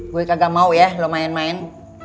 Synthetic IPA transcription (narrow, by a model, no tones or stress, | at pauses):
ɡuɛkaɡamauʔjalɔmaɛnmaɛn